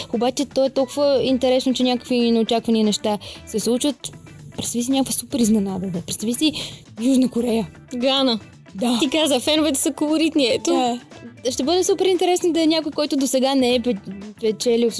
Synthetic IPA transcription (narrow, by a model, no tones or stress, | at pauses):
obat͡ʃɛt̪ɔɛt̪ɔlˠkʊvəint̪ɛɾɛsnot͡ʃɛnʲakə̥kvinɛot͡ʃakvɐniːnɛʃt̪asɛslˠut͡ʃvət̪ | pɾɛt̪t̪visinʲakvəsupɛɾiznɛnad̪ɐd̪əpɾɛt̪st̪ɐvisi | juʒnəkoɾɛjə | ɡanə | d̪aikazəfɛnovɛt̪ɛ̥səkolˠoɾit̪niɛt̪o | ʃt̪ɛbɤd̪ɛsupɛɾint̪ɛɾɛsnod̪ɐɛnʲakojkɔjt̪ʊd̪osɛɡanɛɛppɛt͡ʃɛlʲi